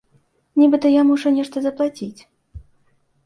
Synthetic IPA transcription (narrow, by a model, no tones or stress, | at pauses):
nʲibɨt̪ɐjamuʂɐnʲɛʂt̪ɐzɐplˠat͡sʲit͡sʲ